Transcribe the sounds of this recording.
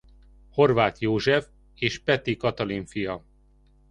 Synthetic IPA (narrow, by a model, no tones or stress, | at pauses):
ho̞rvaːt̪joːʒɛf | eːʃpɛt̪ikɒt̪ɒliɱfijɒ